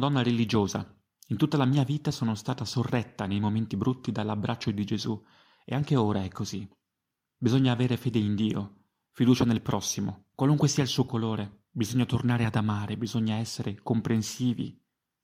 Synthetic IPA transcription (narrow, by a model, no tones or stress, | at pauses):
d̪ɔnːaɾelid͡ʒoːza̰ | int̪ut̪ːalamiːaviːt̪asoːnost̪aːt̪asorːɛt̪ːanejmoment̪ibɾut̪ːid̪alːabɾʔat͡ʃːod̪id͡ʒezu | ḛaŋk̟eoːɾaɛkːozi | bizoɲːaːveːɾefeːd̪eind̪iːo̰ | fid̪uːt͡ʃanelpɾʔɔsːimokwaluŋkwesiːailsuːokoloːɾe | bizoɲːat̪ornaːɾead̪amaːɾebizoɲːaɛsːeɾekompɾensiːvḭ